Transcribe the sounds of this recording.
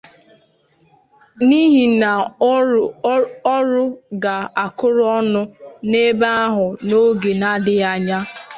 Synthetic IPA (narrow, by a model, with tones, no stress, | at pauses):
ni˦ɦi˨na˨ | ɔ˦ɾʊ˦ɡa˨a˨kʊ˦ɾʊ˦ɔ˦nʊ˦ne˦ba˦a˦ɦʊ˨no˦ɡe˨na˦dɪ˦a˨ɲa˦